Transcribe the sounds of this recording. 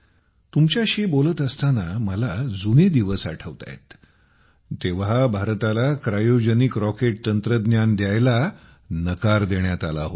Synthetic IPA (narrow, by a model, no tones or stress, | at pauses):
t̪umt͡ɕjaɕibolət̪əst̪anaməlad͡zuned̪iʋəsa̰ʈʰəʋt̪a̰jḛt̪ː | eʋɦabʱaɾt̪alakɾajod͡ʑənikɾɔkeʈ̚t̪ənt̪ɾəd̪njand̪jajla | nəkaɾd̪eɳjat̪ala̰ɦo